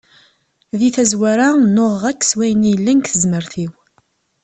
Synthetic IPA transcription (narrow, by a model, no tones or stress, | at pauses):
ðiθæzwæɾanoʁʁækːswæjənijəlːænkθəzməɾθiw